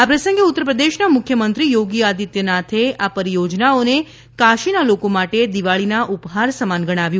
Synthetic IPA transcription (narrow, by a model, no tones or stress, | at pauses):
apɾəsə̃ŋɡeut̪ːɾəpɾəd̪eʃnamʊkʰjəmənt̪ɾijoɡiad̪it̪jənat̪ʰeapəɾijod͡ʒnaone | kaʃinalokomaʈed̪iʋaɭinaʔupɦaɾsəmanɡəɽ̃aʋjũ